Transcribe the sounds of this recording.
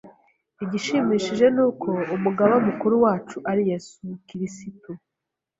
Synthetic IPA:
iɟiʃimiːʃiʒe̞nuːkʰo̞umuɡaβamukuɾuwaːt͡ʃuʔaɾije̞sukiɾisitu

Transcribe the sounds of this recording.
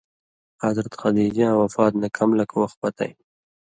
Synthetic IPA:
ad̪ɾat̪xad̪id͡ʒɑ̃wafɑːt̪nakʰamlakʰwaxt̪̚pat̪a̰j

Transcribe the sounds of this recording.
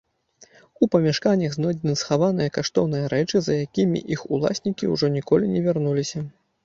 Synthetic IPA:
upɐmʲɛʂkanʲɐɣznɔd͡zʲinɨsxavan̪ɨjɐkaʂt̪ɔwnɨjɐɾɛt͡ʂɨzɐjakʲimʲḭʔixṵlˠa̰sʲnʲikʲiuʐɔnʲikɔlʲinʲɛvʲarnulʲisʲɐ

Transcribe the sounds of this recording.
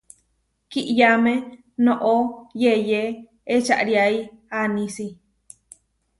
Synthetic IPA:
kiʔjame | nõʔojeje | et͡ʃa̰ʔɾiaianĩsi

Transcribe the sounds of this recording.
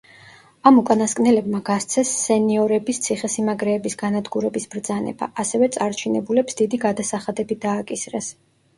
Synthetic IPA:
amukʼanaskʼnɛlɛbmaɡast̪sʰɛsːɛniɔɾɛbist̪sʰiχɛsimaɡɾɛːbisɡanad̪ɡuɾɛbisb̥ɾd̪zanɛ̰ba̰ʔasɛvɛt̪sʼaɾt͡ʃʰinɛbulɛpsd̪id̪iɡad̪asaχad̪ɛbid̪aːkʼisɾɛs

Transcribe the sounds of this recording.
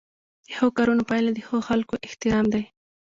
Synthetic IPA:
d̪̥əxoɣokɑɾunopɑjlad̪əxoɣoxalkoʔɪht̪ɪɾɑmd̪aj

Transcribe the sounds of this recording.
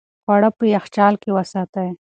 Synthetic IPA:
xwaɽapəjaxt͡ʃɑːlkewəsɑt̪aj

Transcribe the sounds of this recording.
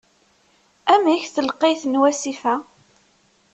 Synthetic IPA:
æmæçθəlqːeθnwæsifæ

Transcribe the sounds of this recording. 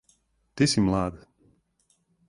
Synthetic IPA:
t̪isʲimlˠaːd̪

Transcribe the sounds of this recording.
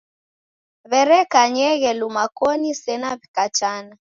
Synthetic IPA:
βɛɾɛkaɲɛɣɛlumakɔnisɛnaβikat͡ʃana

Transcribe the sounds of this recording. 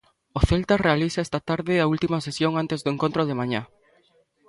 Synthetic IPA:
oθelt̪arealisaɛst̪ɐt̪aɾðɪault̪imɐsesjoŋant̪ezðoeŋkõnt̪ɾoðemaɲa

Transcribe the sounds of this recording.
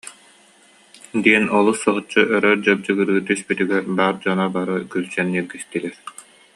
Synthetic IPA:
d̪iɛnɔlˠusːɔɦut͡ɕːuʔœɾœɾd͡ʑɔb̚d͡ʑɯɡɯɾɯːt̪yspyt̪yɡɛɾbaːɾd͡ʑɔnabaɾɯkylt͡ɕɛniɾɡist̪ilɛɾ

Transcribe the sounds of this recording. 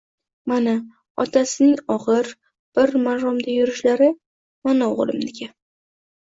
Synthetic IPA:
mana | ɒ̰t̪ʰasɪnɪŋɒʁɨɾ | b̥ɪɾmaɾɒmd̪ajʊɾɪʃlaɾɪ | manaoʁlˠɪ̰mnɪɡʲa

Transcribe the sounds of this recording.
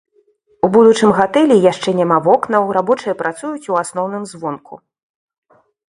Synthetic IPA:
ubud̪ut͡ʂɨmɣat̪ɛlʲijaʂt͡ʂɛnʲamavɔknɐwrabɔt͡ʂɨjɐpɾat̪sujut͡sʲuasnɔwn̪ɨmzvɔnkʰṵ

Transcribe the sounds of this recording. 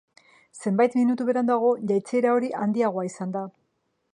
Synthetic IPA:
se̞mbajt̪minut̪uβe̞ɾand̪aɣ̞o̞ʝajt͡se̞ɾao̞ɾiʔand̪iaɣoaisand̪a

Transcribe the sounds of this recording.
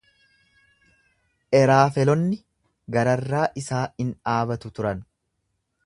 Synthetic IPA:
ʔɛɾaːfɛlɔnːɪ | ɡɐɾɐrːaːʔɪsaːɪnaːbɐt̪ʊt̪ʊɾɐn

